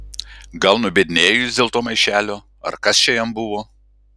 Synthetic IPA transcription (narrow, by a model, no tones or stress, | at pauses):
ɡɐlˠnʊbʲed̪ʲɪnʲeːjʊsʲd̪ʲeːlˠt̪oːmɐɪʃʲæːlʲoː | ɐ̰ɾkɐst͡ʃʲɛjɛmbʊʋoː